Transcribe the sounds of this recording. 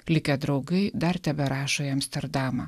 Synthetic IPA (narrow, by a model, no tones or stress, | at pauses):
lʲɪkʲɛd̪ɾɒʊɡɐɪd̪ɐɾt̪ʲæbʲɛɾɑːʃoːjɐmʲsʲt̪ʲɛɾd̪ɑːmɑ